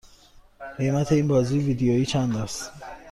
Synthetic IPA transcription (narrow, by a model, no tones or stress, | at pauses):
ɢe̞jmæt̪ʰe̞iːnbɒːziːjeviːd̪ejoiːt͡ʃʰænd̪æst̪